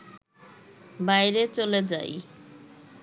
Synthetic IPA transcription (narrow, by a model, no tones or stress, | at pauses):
bajɾet͡ɕoled͡ʑa̰j